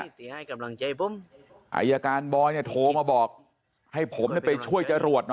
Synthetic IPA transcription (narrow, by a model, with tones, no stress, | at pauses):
i˨˩a˥˩jka˧mla˧ŋt͡ɕa˧jpu˦˥m | ʔa̰ː˧˩jaː˧kaː˧nbɔː˧jni˥˩ət̪ʰoː˧maː˧bɔː˨˩k̚ | ha˥˩jpʰo˩˦mni˥˩əpa˧jt͡ɕʰu˥˩əjt͡ɕa˧ɾu˨˩ət̪̚n˦